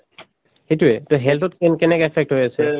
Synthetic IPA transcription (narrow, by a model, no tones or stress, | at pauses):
hetuɛtoɦɛltɔtkɛnkɛnɛkɛpʰɛk̚tɦojasɛ